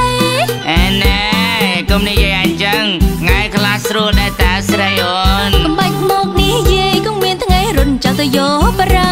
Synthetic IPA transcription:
ʔeːne | komnijiəjʔaɛɲt͡ɕəŋŋaɛkʰlaːhsruəlɗaɛlt̪aɛwsrəjʔonsɑmɓac̚mɔːk̚nihjiəjkomiənt̪ʰŋajɾʊət̪̚mt͡ɕalt̪ɨjɔːɓɾa

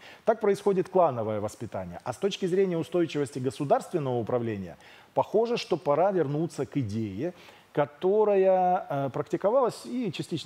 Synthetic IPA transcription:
t̪ak̚pɾəɪsxo̞dʲɪt̪klˠanəvəjəvəspʲɪt̪a̰nʲɪ̰jəʔɐst̪o̞t͡ɕkʲɪzɾʲenʲɪjəʊst̪o̞jt͡ɕɪvəsʲtʲɪɡəsʊd̪arst̪vʲɪnːəvəʊpɾɐvlʲenʲɪjə̰ | pɐxo̞ʐɨʂt̪o̞pɐɾavʲɪrnut̪sːəkɪdʲejɪ | kɐt̪o̞ɾəjəpɾəktʲɪkɐvalˠəsʲit͡ɕɪsʲtʲit͡ɕ̪

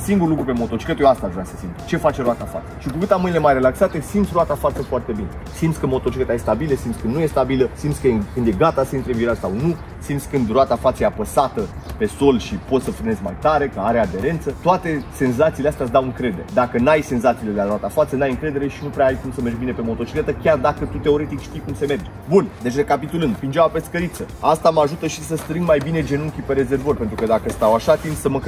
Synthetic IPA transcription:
siŋɡurlukɾupe̞mo̞t̪ot͡ʃi̥kət̪joast̪aʒunasəsimt̪t͡ʃe̞fat͡ʃe̞ɾoat̪afa̰t̪sə̥ʃikukɨt̪amɨnile̞majre̞laksat̪esimt̪sʲɾoat̪afat̪səfoart̪e̞bine̞ | simt̪sʲkəmo̞t̪ot͡ʃikət̪ajest̪abiləsimt̪sʲkɨnd̪nuje̞st̪abiləsimt̪sʲkəjekɨnd̪je̞ɡat̪asəint̪ɾeɨnviɾasawnu | simt̪sʲkɨnd̪roat̪afat̪səjeapəsat̪əpe̞so̞lʃipo̞t̪səfɾɨne̞zmajt̪aɾe̞kəaɾe̞ad̪e̞ɾe̞nt̪sət̪oat̪e̞se̞nzat̪sileast̪ead̪awɨŋkɾe̞d̪e̞ɾed̪akənajse̞nzat̪siːle̞d̪elaɾoat̪afat̪sənajɨŋkɾe̞d̪e̞ɾe̞ʃinupɾeaajkumsəmerd͡ʒbine̞pe̞mo̞t̪o̞t͡ʃi̥klet̪əkʲard̪akət̪ut̪e̞o̞ɾe̞t̪ikʃt̪ijkumse̞me̞rd͡ʒ | bund̪e̞t͡ʃre̞kapit̪ulɨnɡ̪pind͡ʒawape̞skəɾit̪səast̪amaʒut̪əʃisəst̪ɾɨŋɡmajbine̞d͡ʒe̞nuŋkʲipe̞ɾe̞ze̞rvoɾʲpe̞nt̪ɾukəd̪akəst̪awaʃat̪int̪ʲsəmə

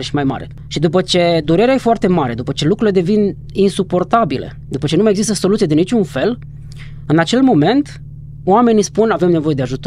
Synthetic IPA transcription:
eʃi̥majma̰ɾḛ | ʃid̪up̬ət͡ʃe̞d̪uɾe̞ɾeaje̞foart̪e̞maɾe̞d̪upət͡ʃe̞lukɾule̞d̪e̞vin | insupo̞rt̪abilḛd̪upət͡ʃenumajeɡzist̪əso̞lut̪sijeinit͡ʃunfe̞l | ɨnat͡ʃe̞lmo̞me̞nt̪ | oame̞nispunave̞mne̞vo̞je̞d̪eaʒut̪o

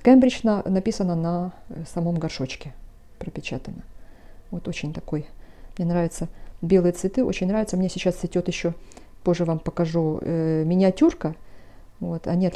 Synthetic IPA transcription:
kɛmbɾʲɪt͡ɕnənɐpʲisənənɐsɐmo̞mɡɐrʂo̞t͡ɕkʲɪ | pɾəpʲɪt͡ɕat̪ənə | vo̞t̪o̞t͡ɕɪnʲt̪ɐko̞j | mnʲe̞nɾavʲɪt̪səbʲe̞lˠɨjət̪svʲɪt̪ɨo̞t͡ɕɪnʲnɾavʲɪt̪səmnʲesʲɪt͡ɕːasʲɪtʲo̞t̪jɪɕːo̞po̞ʐːɨvampəkɐʐumʲɪnʲɪɐtʲurkə | vo̞t̪ɐ̰nʲiɐt̪

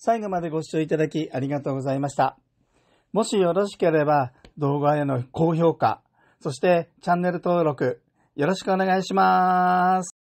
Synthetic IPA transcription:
saiɡo̞mad̪e̞ɡo̞ɕt͡ɕoːit̪ad̪akʲiʔaɾʲiɡat̪o̞ːɡo̞zaimaɕi̥t̪a | mo̞ɕijo̞ɾo̞ɕi̥ke̞ɾe̞bad̪o̞ːɡaeno̞ko̞ːço̞ːka̰ | so̞ɕi̥t̪e̞t͡ɕãnːe̞ɾɯ̟t̪o̞ːɾo̞kɯ̟ | jo̞ɾo̞ɕi̥kɯ̟o̞ne̞ɡaiɕima | sɨ̥

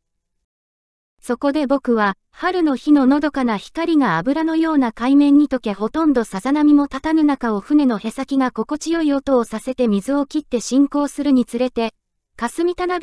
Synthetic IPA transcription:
so̞ko̞d̪e̞bo̞kɯ̟β̞a | haɾɯ̟no̞çino̞no̞d̪o̞kanaçi̥kaɾʲiŋaːbɯ̟ɾano̞jo̞ːnakaimẽ̞ɲ̟ːit̪o̞ke̞ho̞t̪õ̞nd̪o̞sazanamʲimo̞t̪at̪anɯ̟nakao̞ɸɯ̟ne̞no̞he̞sakʲiɡako̞ko̞t͡ɕijo̞iot̪o̞ːsase̞t̪e̞mʲizɨo̞kʲit̪ːe̞ɕĩŋko̞ːsɨɾɯ̟ɲ̟it͡sɨɾe̞t̪e̞ | kasɨmʲit̪ana

